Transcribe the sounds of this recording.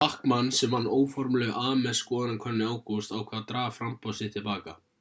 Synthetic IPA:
ahkmanːsɛmvanːoːwfɔɾmlɛːɣʔaːmɛskɔːðanakʰœnːɪaːwkowst̪awkʰvaːðt̪ɾaːvafɾampawsɪ̥t̪ʰɪlpaːka

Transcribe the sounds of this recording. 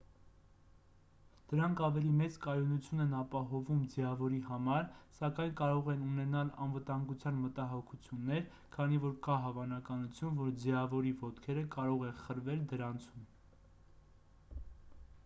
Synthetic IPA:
d̪̥əɾɑŋkʰɑvɛlimɛt͡skɑjɔnut͡sʰjunɛnɑpɑɦɔvumd͡zjɑvɔɾihɑmɑɾsɑkɑjnkɑɾɔʁɛnunɛnɑlɑ̰nvət̪ɑŋɡut͡sʰjɑnmət̪ɑɦɔkʰut͡sʰjunːɛɾ | kʰɑnivɔɾkɑɦɑvɑnɑkɑnut͡sʰjunvɔɾd͡ziɑvɔɾivɔt̪kʰɛɾəkɑɾɔʁɛχəɾvɛld̪əɾɑnt͡sʰum

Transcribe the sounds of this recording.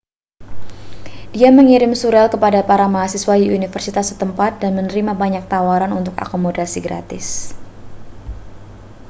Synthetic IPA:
diaməŋiɾɪmsuɾɛlkəpadapaɾamaɦasiswajiunifərsit̪asːət̪əmpat̪̚danmənəɾimabaɲak̚t̪awaɾanunt̪ʊka̰komodasiɡɾa̰t̪ɪs

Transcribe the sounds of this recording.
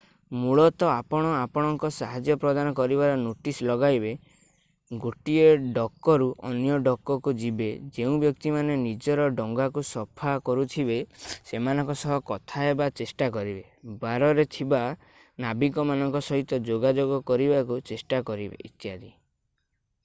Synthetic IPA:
muɭɔt̪ɔapɔɽ̃ɔapɔɽ̃ɔŋkɔsaɦad͡ʒjɔpɾɔd̪anɔkɔɾibaɾɔnoʈislɔɡajbe | ɡoʈieɖɔkːɔɾuʔɔ̰njɔɖɔkːɔkud͡ʒibed͡ʒeũbjɔkt̪imanenid͡ʒɔɾɔɖɔŋɡakusɔpʰakɔɾut̪ʰibesemanɔŋkɔsɔɦɔkɔt̪ʰaebat͡ʃesʈak̬ɔɾibe | baɾɔɾet̪ʰiba | nabikɔmanɔŋkɔsɔɦit̪ɔd͡ʒoɡad͡ʒoɡɔkɔɾibakut͡ʃesʈakɔɾibḛit̪jad̪i

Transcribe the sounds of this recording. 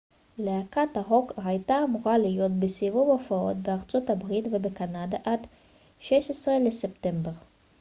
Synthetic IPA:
leakataɦo̞kajtaːmuʁalijo̞t̪besivuvofao̞̰t̪beaʁt͡sotabʁitvebekanadaʔad | ʃeʃesʁeleseptembe̞ʁ

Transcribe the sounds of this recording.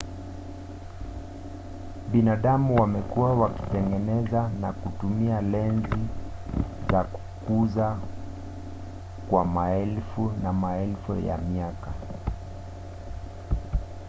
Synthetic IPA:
ɓinaɗamuwamɛkuwawaki̥tɛŋɡɛnɛzanakutumialɛnzi | zaku̥kuza | kwamaɛlfunamaɛlfṵja̰miaka

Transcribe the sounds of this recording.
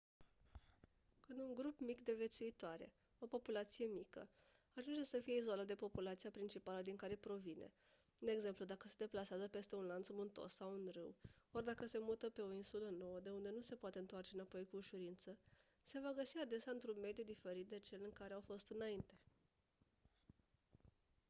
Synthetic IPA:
kɨnd̪uŋɡɾupmikd̪e̞ve̞t̪suit̪oaɾe̞̰ | o̞po̞pulat̪sije̞mikə̰ | aʒund͡ʒesəfije̞izo̞lat̪d̪e̞po̞pulat̪siapɾint͡ʃipaləd̪iŋkaɾe̞pɾo̞vine̞̰ | d̪e̞ɡze̞mplud̪akəse̞d̪e̞plaseazəpe̞st̪e̞unlant̪smunt̪o̞̰sːawunrɨwo̞rd̪akəse̞mut̪əpe̞o̞insuləno̞wəd̪e̞und̪e̞nuse̞poat̪e̞ɨnt̪oart͡ʃe̞napo̞jkuːʃuɾint̪sə | se̞vaɡəsiad̪e̞sjaɨnt̪ɾunme̞d̪jud̪ife̞ɾit̪̚d̪e̞t͡ʃe̞lɨŋkaɾeawfo̞st̪ɨnaint̪e̞

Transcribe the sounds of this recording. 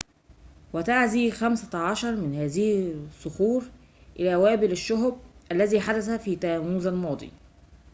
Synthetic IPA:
wæt̪aʕziːxæmsæʕɑʃɑɾˤmɪnhæːzɪhɪsˤːʊxuːɾ | ʔɪlæːwæːbɪlɪʃːʊɦb̚ʔælːæziːħad̪æθæfiːt̪ææːmuːzælmɑːd̪ˤḭː

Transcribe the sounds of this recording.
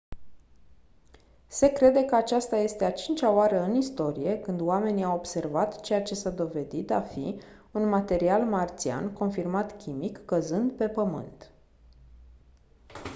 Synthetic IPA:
se̞kɾe̞d̪e̞kəat͡ʃast̪aje̞st̪e̞at͡ʃint͡ʃʲaoaɾəɨnist̪o̞ɾije̞kɨnd̪oame̞niawo̞bse̞rvat̪t͡ʃe̞jat͡ʃe̞sad̪o̞ve̞d̪it̪a̰fḭ | unmat̪e̞ɾialmart̪sia̰nko̞nfirmat̪kʲimikːəzɨnd̪pe̞pəmɨ̰nt̪

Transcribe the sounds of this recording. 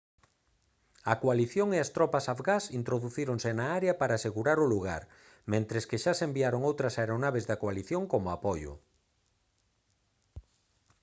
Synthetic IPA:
ɐkoaliθjoŋeɐst̪ɾɔpɐsafɣasint̪ɾoðuθiɾoŋsenaaɾeɐpaɾaːseɣuɾaɾʊluɣa̰ɾ | mẽnt̪ɾeskeʃasembiaɾoŋowt̪ɾɐsaeɾonaβ̞ezðɐkoaliθjoŋkomʊapɔjʊ̰

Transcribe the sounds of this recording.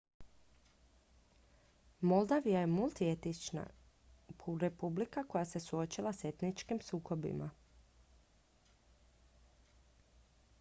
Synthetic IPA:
mo̞lˠd̪aʋijajemulˠt̪iet̪it͡ʃna̰ | puɾe̞publikako̞jase̞suo̞t͡ʃilˠase̞t̪nit͡ʃkimsuːko̞bḭma

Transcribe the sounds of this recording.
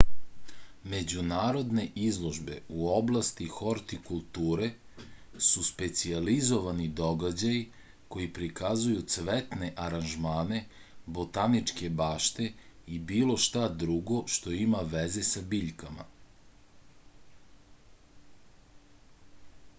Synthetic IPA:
me̞d͡ʑunaːɾo̞d̪ne̞ʔizlˠoʒbe̞̰uoblˠast̪ixo̞ɾt̪ikulˠt̪uːɾe̞ | suspe̞t̪sializo̞ʋanid̪oɡad͡ʑaji | ko̞jipɾikazujut̪sʋet̪ne̞ʔaɾanʒmaːne̞ | bo̞t̪anit͡ʃke̞baːʃt̪e̞ibiːlo̞ʃt̪ad̪ɾuɡo̞ʃt̪o̞imaʋeze̞sabiːʎkama̰

